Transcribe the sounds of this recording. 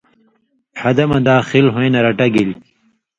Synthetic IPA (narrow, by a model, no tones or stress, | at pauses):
ħɐd̪ɐmɐd̪aːxilɦojnɐɾɐʈɐɡili